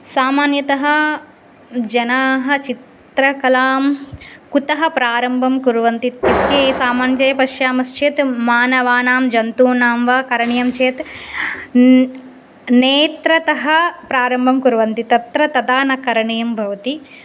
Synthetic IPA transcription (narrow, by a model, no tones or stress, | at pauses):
saːmaːnjɐt̪ɐɦɐ̆ | d͡ʒɐnaːɦɐ̆t͡ʃit̪ | ɾɐkɐlaːmkut̪ɐɦɐ̆pɾaːɾɐmbʱɐmkuɾuʋɐnt̪it̪ɐʈeːsaːmaːnjɐt̪ejɐpɐʃjaːmɐst͡ʃʰeːt̪maːnɐʋaːnaːmd͡ʒɐnt̪uːnaːmʋɐkɐɾɐɳejɐmt͡ʃeːt̪ | neːt̪ɾɐt̪ɐɦɐpɾaːɾɐmbʱɐmkuɾuʋɐnt̪it̪ɐt̪ɾɐt̪ɐd̪aːnɐkɐɾɐɳejɐmbʱɐʋɐt̪i